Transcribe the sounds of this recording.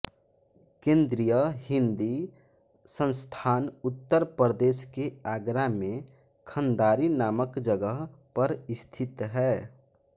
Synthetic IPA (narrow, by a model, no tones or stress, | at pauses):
kẽːnd̪ɾijəɦɪ̃nd̪i | sə̃nst̪ʰaːnʊt̪ːəɾpɾəd̪eːskeaːɡɾamẽ | kʰə̃nd̪aːɾinaːməkd͡ʒəɡəɦpəɾɪst̪ʰɪt̪ɦɛː